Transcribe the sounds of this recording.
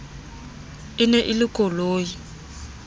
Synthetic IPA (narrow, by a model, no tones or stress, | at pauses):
ɪnɛʔɪlɪkʼɔloːji